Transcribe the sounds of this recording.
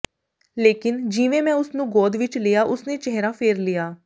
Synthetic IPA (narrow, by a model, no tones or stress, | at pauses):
leːkɪnd͡ʒiːʋẽːmɛ̃ːʊsnũːɡoːd̪ʋɪt͡ʃlɪːaːʔʊsneːt͡ʃɛɦɾaːpʰeːɾlɪjaː